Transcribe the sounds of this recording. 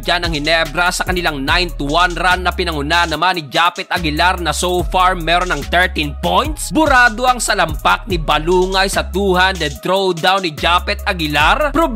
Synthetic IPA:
d͡ʒanɐŋhɪnɛbɾɐsɐkɐnɪlaŋnajnt̪uwanɾanːɐpɪnɐŋʊnaʔɐnːɐmanɪd͡ʒaːpɛt̪̚ʔɐɡɪlaɾnɐsowfaɹmɛɾonɐŋt̪ɛɹt̪inpojnt̪sbʊɾaːd̪o̞ɐŋsɐlɐmpak̚nibɐluːŋɐjsɐt̪uːhand̪ɛd̪̚t̪ɾowd̪awnɪd͡ʒapɛt̪̚ɐɡɪlaɾpɾob

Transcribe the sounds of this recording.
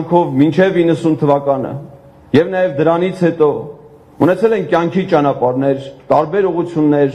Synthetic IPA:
ŋkʰɔvmint͡ʃʰɛvinːəsunt̪ʰəvɑkɑnə̰ | jɛvnɑjɛvd̪əɾɑnit͡sʰhɛt̪ɔ | unɛt͡sʰɛlɛnkjɑŋkʰit͡ʃɑnɑpɑɾnɛɾt̪ɑɾbɛɾuʁut͡sʰjunːɛɾ

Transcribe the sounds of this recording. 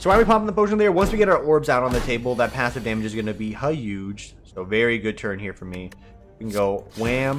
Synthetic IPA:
soʊaɪwipʰɑpn̩ðəpoʊʃɪ̃ŋ̩ðiəɹwʌ̃nswiɡɛɾaə˞ʔɔɹbzaʊɾn̩ðɨtʰeɪbl̩ˠðət̚pʰæsʌvdæmɨd͡ʒɨzɡʌnɨbihʌjʉ̥ʒ̥ | soʊvɛɹiɡʊd̚tʰɜ̃˞nhiɹfə˞mi | kɨ̃n̩ɡoʊwæ̃m

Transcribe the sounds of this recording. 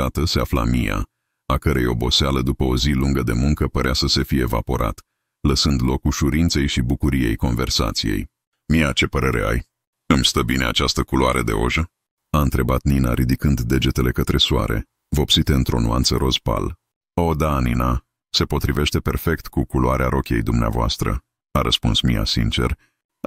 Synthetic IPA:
at̪əse̞afla̰mija̰ | akəɾejo̞bo̞sealəd̪upəoziluŋɡəd̪e̞muŋkəpəɾeasəse̞fijeːva̰po̞ɾʔa̰t̪ | ləsɨnd̪lo̞kuʃuɾint̪se̞jʃibukuɾije̞̰jko̞nve̞rsa̰t̪sije̞̰j | mijat͡ʃe̞pəɾe̞ɾe̞̰a̰j | ɨmʲst̪əbine̞at͡ʃast̪əkuloaɾʔəd̪e̞̰o̞̰ʒə | aɨnt̪ɾe̞bat̪ninaɾid̪ikɨnd̪ːe̞d͡ʒe̞t̪e̞le̞kət̪ɾe̞sua̰ɾe̞̰ | vo̞psit̪eɨnt̪ɾo̞̰nuant̪səɾo̞spa̰l | o̞d̪anina | se̞po̞t̪ɾive̞ʃt̪e̞pe̞rfe̞kt̪kukuloaɾeaɾo̞kʲe̞̰jd̪umnea̰voa̰st̪ɾə̰ | aɾəspunsmija̰sḭnt͡ʃe̞̰r

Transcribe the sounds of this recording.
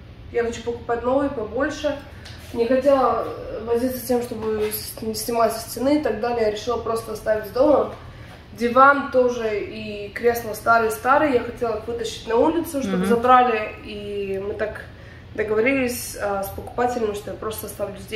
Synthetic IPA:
jaxɐt͡ɕupəkʊ̥patʲno̞vɨjpɐbo̞lʲʂɨ | nʲɪxɐtʲalˠəvɐzʲit̪sə̥sʲtʲe̞mʂt̪o̞bɨnʲɪsʲnʲɪmlˠasʲɪ̥sʲtʲɪnɨɪt̪ɐɡ̚d̪alʲɪjaɾʲɪʂɨlˠəpɾo̞st̪əɐst̪avʲɪtʲzʲd̪o̞məm | dʲɪvant̪o̞ʐɨikɾʲe̞slˠəst̪aɾɨjst̪aɾɨjjaxɐtʲe̞lˠəxvɨt̪əɕːɪ̥tʲnɐulʲɪt̪sʊʂt̪obɨzɐbɾalʲɪimɨt̪ak | d̪əɡəvɐɾʲilʲɪsʲəspəkʊ̥patʲɪlʲnɪmʲɪʂt̪ojapɾo̞st̪əɐst̪avlʲʊzʲd̪ʲe

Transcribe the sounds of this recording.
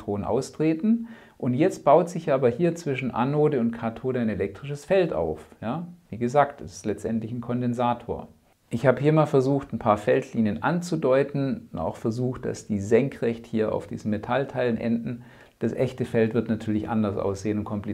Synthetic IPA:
tʁ̥oːnənʔa̰ʊstʁ̥eːtn̩ | ʔʊntjɛt͡st̚b̥aʊtz̥ɪçaːbɐhiːɐt͡sv̥ɪʃn̩ʔa̰noːdəʊntkʰaɐtʰoːdəaɪnelɛk̚tʁ̥ɪʃəsfɛlta̰ʊfjaːviːɡəzaːktd̥ɐsɪ̥stlɛt͡stʔɛntlɪçn̩kʰɔndɛnzaːtʰoːɐ | ʔɪçhaːbəhiːɐmaːlfɛɐzuːxtn̩pʰaːɐfɛltʰliːnjənʔa̰nt͡sudɔʏtn̩na̰ʊxfɛɐzuːxt̚d̥a̰sd̥iːzɛŋkʁɛçthiːɐa̰ʊfd̥ḭːzn̩metʰaltʰaɪlənʔɛ̰ndn̩ | d̥asʔɛçtəfɛltv̥ɪɐtnatʰyːɐlɪçʔa̰ndɐsʔa̰ʊsz̥eːənʊntkʰɔmpli

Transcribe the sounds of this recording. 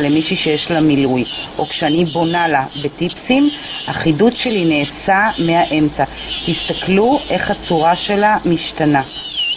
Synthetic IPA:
lemiʃiʃejeʃlamilujʔo̞kʃeanibo̞nalabe̞tipsimhaχidutʃe̞line̞ːsameaʔe̞mt͡sat̪ist̪akluʔe̞χhat͡suʁaʃe̞lamiʃtana

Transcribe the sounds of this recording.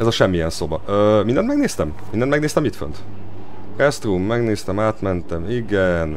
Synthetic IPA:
ɛzɒʃɛmːijɛnso̞bɒøːmind̪ɛnt̪mɛɡneːst̪ɛm | mind̪ɛnmɛɡneːst̪ɛmit̪fø̰nt̪ | rɛst̪rumːɛɡneːst̪ɛmaːt̪mɛnt̪ɛmiɡɛn

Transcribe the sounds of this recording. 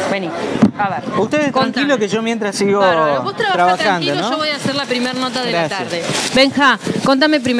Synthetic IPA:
benisaβeɾust̪eðeskoŋnŋkilokeʒo̞mjent̪ɾasiɣoβost̪ɾaaɾaβaxand̪olnooβojaːseɾlapɾimeɾnot̪aðeɾast̪aɾðebeŋxakont̪̬amep̬ɾim

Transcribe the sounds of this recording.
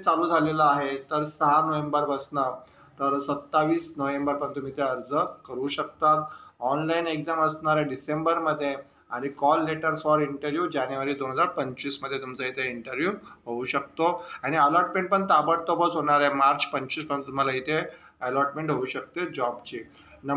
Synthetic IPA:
t͡saluːd͡zʱalelaaɦet̪əɾsəɦanəʋembəɾbəsna | t̪əɾsət̪ːaʋiːsnəʋembəɾpəɳt̪um̤iːt̪eəɾd͡zəkəɾuːɕək̚t̪at̪ɔnlaineɡd͡zaməsnaɾeɖisembəɾməd̪ʱːje | aɽ̃ikɔlːeʈəɾfɔɾiɳʈəɾʋjud͡ʑañjuʋaɾiːd̪onɦəd͡zaɾpəɲt͡ɕiːsməd̪ʱjet̪umt͡səit̪ʰeiɳʈəɾʋjuɦouɕək̚t̪oaɽ̃iəlɔɾʈmẽɳʈ̚pəɳt̪abəɽt̪ɔbət͡sɦoɽ̃aɾemaɾt͡ɕpəɲt͡ɕiːsmət̪um̤alait̪ʰe | əlɔɾʈmẽɳʈɦouɕək̚t̪ed͡ʑɔbt͡ɕi | nə

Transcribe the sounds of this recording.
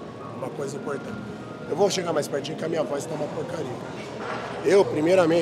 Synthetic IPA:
ũmɐkojzɐĩmpoɾt̪ɐ̃t͡ʃɪ | ewvowʃeɡaɾmajspɛɾt͡ʃĩkɪɐmĩɲɐvɔzɪt̪aũmɐpoɾkaɾiɐkaʃ | ewpɾimejɾɐmẽ

